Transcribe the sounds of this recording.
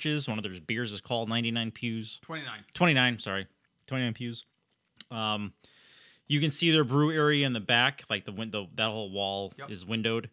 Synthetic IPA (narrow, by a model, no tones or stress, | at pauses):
t͡ʃɪzwʌ̃nʌvðə˞zbɪɹzɨz̥kʰɔlˠdⁿnãɪ̃ntinãɪ̃npʰjʉz̥tʰw̥ɛ̃ĩtʰw̥ɛ̃ɾ̃inãɪ̃nsɑɹi | tʰw̥ɛ̃inãɪ̃npʰjʉz̥ | ʌ̃m | jɨkɨ̃nsiðə˞bɹʉɛɹiɨɨ̃nðɨbæklaɪk̚ðəwɪ̃ðəðɨt̚hoʊlˠwɔlˠɪzwɪ̃ndoʊd̥